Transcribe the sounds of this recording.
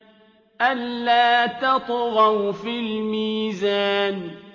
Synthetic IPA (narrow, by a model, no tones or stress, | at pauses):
ʔanːaːt̪ɑt̪ˤɣɑwfilmiːzaːn